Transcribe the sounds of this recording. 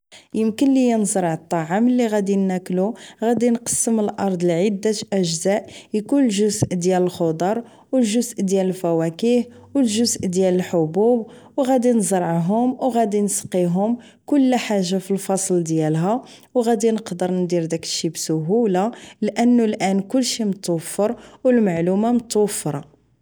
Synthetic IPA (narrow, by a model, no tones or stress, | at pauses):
jəmkənlijænzɾˤʕət̪ˤːɑʕamlːiɣæd̪inːækluɣæd̪inqɑ̥sːəməlʔɑɾˤd̪ˤəlʕid̪ːat̪ʔæʒzæʔjkunəlʒʊzʔd̪jæləlxod̪ˤɑɾˤ | wəlʒʊzʔd̪jæləlfæwækihwəlʒʊzʔd̪jæləlħobub | wɣæd̪inzɾˤʕɦʊmwɣæd̪insqiɦʊm | kʊlːħaʒːafilfɑsˤld̪jælɦæ | wɣæd̪inəqd̪əɾnd̪iɾd̪ækəʃibsʊɦulalʔənːulʔænkʊlːʃimt̪ːofəɾˤwəlmaʕlumamət̪wfɾˤɑ